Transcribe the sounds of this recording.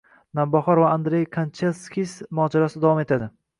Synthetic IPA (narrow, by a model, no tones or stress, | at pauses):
nambɒhɒɾvaːnd̪ɾejkʰant͡ʃʰelskʲismɒːd͡ʒaɾasɪd̪avɒme̞t̪ʰad̪ɪ